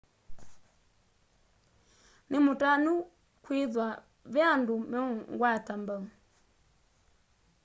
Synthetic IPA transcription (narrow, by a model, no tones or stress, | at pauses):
nimutanu | kwiðwa | vjandumɛuŋɡwatambau